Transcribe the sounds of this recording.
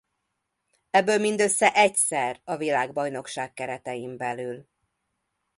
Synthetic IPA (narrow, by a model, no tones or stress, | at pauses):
ɛbːøːlmind̪ø̞sːɛʔɛcsɛrɒvilaːɡbɒjno̞kʃaːkːɛɾɛt̪ɛjimbɛlyl